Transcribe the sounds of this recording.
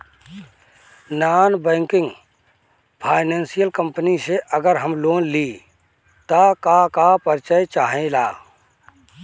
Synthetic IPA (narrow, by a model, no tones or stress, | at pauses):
naːnbɛ̃ːŋkɪ̃ŋɡ | pʰaːɪnẽːnsijəlkə̃mpəniseʔəɡəɾɦəmloːnli | t̪akakapəɾt͡ʃəjt͡ʃaːɦẽlaː